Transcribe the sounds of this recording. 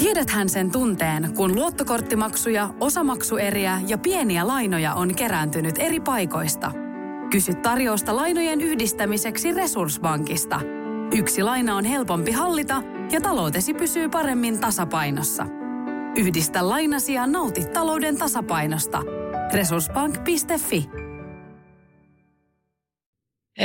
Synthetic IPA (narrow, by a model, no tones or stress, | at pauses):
kiedæt̪hænse̞nt̪unt̪e̞ːnkunluo̞t̪ːoko̞rt̪ːimɑksujɑo̞sɑmɑksue̞ɾiæjɑpie̞niælɑjno̞jɑ̰ʔo̞nke̞ɾænt̪ynyt̪e̞ɾipɑjko̞jst̪ɑ̰ | kysyt̪ːɑrjo̞ːst̪ɑlɑjno̞jenyhdist̪æmise̞ksire̞sursbɑŋkist̪ɑ̰ | yksilɑjnɑo̞nɦe̞lpo̞mpiɦɑlːit̪ɑ | jɑt̪ɑlo̞wt̪e̞sipysyːpɑɾe̞mːint̪ɑsɑpɑjno̞sːɑ̰ | yhdist̪ælːɑjnɑsiɑnːɑwt̪it̪ːɑlo̞wde̞nt̪ɑsɑpɑjno̞st̪ɑ̰re̞sursbɑŋkpist̪e̞fːi